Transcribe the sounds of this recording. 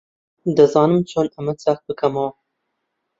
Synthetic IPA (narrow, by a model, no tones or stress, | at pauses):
d̪ɨzɑːnɨmt͡ʃʰoːnɐmɨt͡sax̚bɨkʰɐmɐw